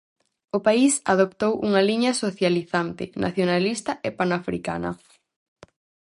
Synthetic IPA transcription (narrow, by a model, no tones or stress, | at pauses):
ʊpaisaðopt̪owʔuŋɐliɲɐsoθjaliθant̪ɪ̰nʔa̰θjonalist̪ɐʔepanafɾika̰nɐ̰